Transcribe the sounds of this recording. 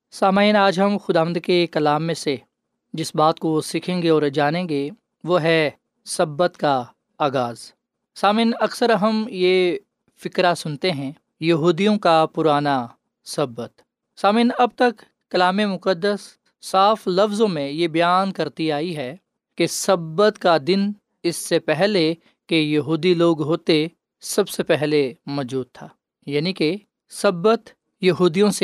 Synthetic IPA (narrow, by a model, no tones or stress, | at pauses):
saːmiiːnaːd͡ʒɦɐmxʊd̪aːʋə̃nd̪kekɐlaːmːẽse | d͡ʒɪsbaːt̪̚kosɪkʰẽːŋɡeɔːɾd͡ʒaːnẽːɡe | ʋoːɦɛ | sɐbːət̪ka | aːɡaːz | saːmiːnɐksəɾɐɦəmje | fɪkɾasʊnt̪eɦɛ̃ː | jɐɦuːd̪ijõkapʊɾaːna | sɐbət̪ | saːmĩːnɐb̚t̪ɐkː | ɐlaːmemʊqəd̪ːəsː | aːflɐfzõmẽjebɐjaːnkɐɾt̪iaːiɦɛ | kesɐbət̪kad̪ɪn | ɪsːepɛɦle | kejɐɦuːd̪iloːɡɦoːt̪e | sɐbsepɛɦlemɔːd͡ʒuːd̪̚t̪ʰaː | jaːnike | sɐbːət̪ | jɐɦuːd̪ijõse